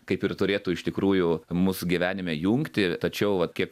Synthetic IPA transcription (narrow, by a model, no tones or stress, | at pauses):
kɐɪpɪrt̪ʊɾʲeːt̪uːɪʃt̪ʲɪkɾuːjʊmʊsɡʲiʋʲæːnʲɪmʲɛjuŋkt̪ʲɪt̪ɐt͡ʃʲɛʊʋɐt̪kʲiɛk